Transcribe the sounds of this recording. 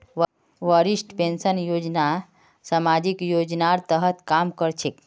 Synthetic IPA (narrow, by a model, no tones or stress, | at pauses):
ʋəɾisʈpẽnsənjod͡ʒna | samad͡ʒikjod͡ʒnaɾt̪əɦət̪kamkəɾt͡ʃʰek